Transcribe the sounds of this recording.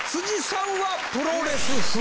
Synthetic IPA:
sʰud͡ʑisʰaŋɡwa | pɯɾoɡɾesɯsu

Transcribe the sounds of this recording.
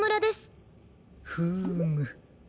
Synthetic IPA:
mɯ̟ɾad̪esɨ̥ | hɯmɯ

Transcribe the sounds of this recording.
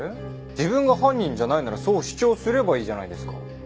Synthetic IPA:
d͡ʑibɯ̟̃ŋɡaɦãɲ̟ːĩɲ̟d͡ʑanainaɾaso̞ːɕi̥t͡ɕo̞ːsɨɾe̞baiːʑanaid̪e̞sɨ̥ka

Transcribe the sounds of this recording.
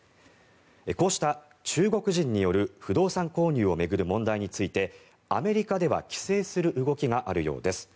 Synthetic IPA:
eko̞ːɕi̥t̪a | t͡ɕɨːɡo̞kɯ̟ʑĩɲ̟ːijo̞ɾɯ̟ɸɯ̟d̪o̞ːsãŋko̞ːɲ̟ɨːo̞me̞ɡɯ̟ɾɯ̟mõ̞nd̪aiɲ̟it͡sɨit̪e̞ | a̰me̞ɾʲikad̪e̞βa̰kʲi̥se̞ːsɨɾɯ̟ʔɯ̟ɡo̞kʲiɡaʔaɾɯ̟jo̞ːd̪e̞sɨ̥

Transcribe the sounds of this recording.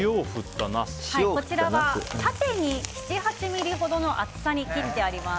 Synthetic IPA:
joːɸɯ̟t̪ːanḁhaiokot͡ɕiɾaaat̪at̪e̞ɲ̟ii̥t͡ɕiɦat͡ɕimʲiɾʲiɦo̞d̪o̞no̞ʔat͡sɨ̥saɲ̟ikʲiɾid̪e̞aɾʲima

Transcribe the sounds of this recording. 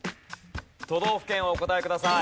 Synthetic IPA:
t̪o̞d̪o̞ːɸɯ̟̥kẽ̞ɰ̃oːko̞t̪aekɯd̪asa

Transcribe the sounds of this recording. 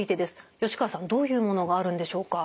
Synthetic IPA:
it̪e̞d̪e̞sɨ̥jo̞ɕi̥kasãnd̪o̞ːjɯ̟ːmo̞no̞ɡaːɾɯ̟̃nd̪e̞ɕo̞ːka

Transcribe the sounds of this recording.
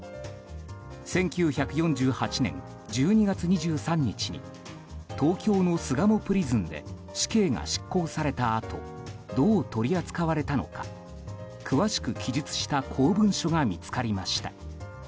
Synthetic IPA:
sẽ̞ŋkʲɨːçakɯ̟jõ̞ɲ̟d͡ʑɨːhat͡ɕinẽ̞̰ŋ | d͡ʑɨːɲ̟iɡat͡sɨɲ̟iʑɨːsãɲ̟ːit͡ɕiɲ̟ḭ | t̪o̞ːkʲo̞ːno̞sɨɡamo̞pɯ̟ɾʲizɨ̃nd̪e̞̰ | ɕi̥ke̞ːŋa̰ɕi̥kːo̞ːsaɾe̞t̪aːt̪ʰo̞̰ | d̪o̞ːt̪o̞ɾʲiat͡sɨ̥kaβaɾe̞t̪ano̞̰kḁ̰ | kʰɯ̟βaɕi̥kɯ̟kʲid͡ʑit͡sɨ̥ɕi̥t̪akʰo̞ːbɯ̟̃ɰ̃ɕo̞ɡamʲit͡sɨ̥kaɾʲimaɕi̥t̪a

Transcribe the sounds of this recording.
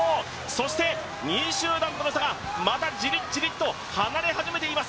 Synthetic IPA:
so̞ɕi̥t̪e̞ | ɲ̟iɕɨːd̪ãnt̪onoɕt̪aɡa | mat̪ad͡ʑiɾʲid͡ʑiɾʲit̪ːo̞ | hanaɾe̞haʑime̞t̪e̞imas

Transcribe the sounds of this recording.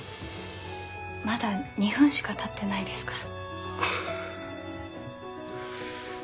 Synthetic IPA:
mad̪aɲ̟ihɯ̟̃ɰ̃ɕi̥kat̪at̪ːe̞naid̪e̞sɨ̥kaɾ

